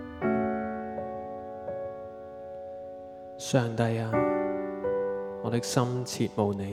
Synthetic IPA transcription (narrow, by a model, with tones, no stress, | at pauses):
sœː˨ŋt̪ɐ˧jaː˧ | ŋɔː˨˧t̪ɪ˥k̚sɐ˥mt͡sʰiː˨t̚mo˨˧wne˨˧